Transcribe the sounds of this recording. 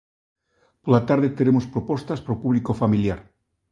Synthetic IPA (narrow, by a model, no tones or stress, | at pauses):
polat̪aɾðet̪eɾemospɾopost̪aspɾopuβlikofamiljaɾ